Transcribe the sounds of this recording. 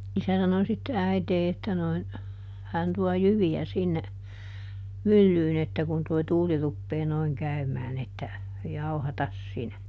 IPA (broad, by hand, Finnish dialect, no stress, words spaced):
isæ sɑno sitːe æiteː etːæ noin hæn tuɔ jyʋiæ sinːe mylːyːn etːæ kun toi tuːli rupːeː noiŋ kæymæːn etːæ jɑuhɑtɑs sinæ